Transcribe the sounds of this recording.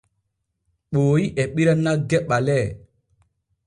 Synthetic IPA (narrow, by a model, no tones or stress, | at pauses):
ɓoːiʔɛɓiɾanːaɡɛɓalɛ